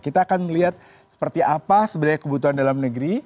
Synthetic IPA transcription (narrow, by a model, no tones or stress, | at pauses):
kit̪aːkanməliɦat̪̚ | sə̥pərt̪iʔapasəbadajkəbut̪uɦandalamnəɡɾi